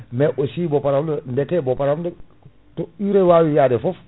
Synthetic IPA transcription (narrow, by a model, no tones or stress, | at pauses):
meʔosiːbopaɾamdndekebopaɾamde | toiɾewaːwijadefof